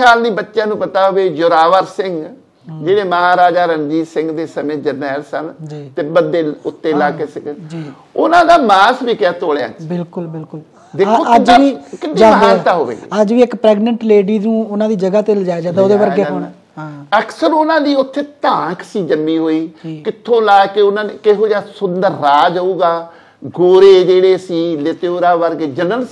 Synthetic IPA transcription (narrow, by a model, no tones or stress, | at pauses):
aːlnĩːbətːʃjãːnũːpət̪aːɦoʋeːjʊɾaːʋəɾsɪŋɡ | d͡ʒeːɽeːməɦaːɾaːd͡ʒaːɾənd͡ʒiːsɪ̃ŋɡd̪eːsəmẽːd͡ʒənɛːlsənd͡ʒiːt̪eːbəd̪eːʊt̪ːeːlaːkeːsɪkd͡ʒiː | ʊnãːd̪aːmaːsbiːkɪjaːt̪oːɽja̰ːbɪlkʊlbɪlkʊl | d̪eːoəd͡ʒʋiːkɪnd͡ʒaːdɦ̪aːt̪aːɦo̰ːʋḛːɡḛəd͡ʒʋiːɪkpɾɛːɡnəɳʈleːɖiːnũːʊnãːd̪iːd͡ʒəɡaːt̪ɪld͡ʒaːed͡ʒaːd̪aːoːd̪eːʋəɾɡeːɦo | aəksəɾʊnãːliːʊt̪ʰːeːt̪ãːkʰsiːd͡ʒənːiːɦoːiːkɪt̪ʰːõːlaːkeʊnãːnekɪɦoːd͡ʒaːsʊnd̪əɾːaːd͡ʒaːuːɡaː | ɡoːɾeːd͡ʒeːɽeːsiːlɪt̪ːoːɾaːʋəɾɡeːd͡ʒənəls